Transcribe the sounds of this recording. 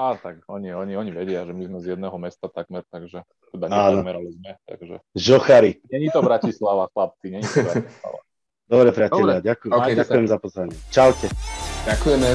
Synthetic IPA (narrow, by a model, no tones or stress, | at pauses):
at̪aɡɔɲiɔɲiɔɲiʋɛɟɪaʒɛmizmɛzjɛd̪nɛɦɔmɛst̪at̪aɡmɛɾt̪aɡʒɛ | t̪ɛb̪aɲɛaːnɔmɛɾalizmɛt̪a̰ɡʒɛ̰ʒɔxaɾiɲɛɲit̪ɔbɾacislaʋaxlap̚t͡siɲɛɲit̪ɔbɾai̥ssla̰ʋa̰ | d̪ɔbɾɛpɾɪacɛʎɾaɟakujɛɛakujɛmɛzapɔzʋaɲɪɛt͡ʃalcɛakujɛmɛ